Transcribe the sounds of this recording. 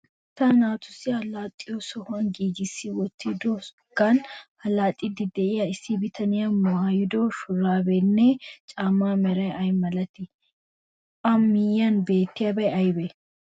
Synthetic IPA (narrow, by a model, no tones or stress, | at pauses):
t̪ːɐnaːt̪ʊsɪɐlaːt̪ʼːɪjosɔhʊɐnɡiːɡɪsːɪwɔt̪ːid̪ɔ | ɡ̥ɐnhɐlaːt̪ʼːɪd̪ɪd̪ɛɪjɐɪsːɪbɪt̪ʰɐnɪjamʊaːjɪd̪oʃʊɾaːbɛnːɛt͡ʃʼaːmːaːmɛɾɐjɐjmɐlɐt̪ɪ | ɐmːɪjːɐnbeːt̪ːɪjɐbɐjɐjbɛ